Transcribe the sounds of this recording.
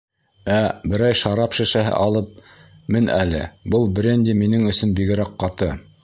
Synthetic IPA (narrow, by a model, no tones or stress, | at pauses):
æbɘ̆ɾæjʃɑɾɑpʃɘ̆ʃæɦɘ̰ʔɑlˠɤp̚ | mɘnælɘ̰bɤlˠbɾʲenʲd̪ʲiminɘŋɵ̆sɵnbiɡɘ̆ɾæqqːɑt̪ɤ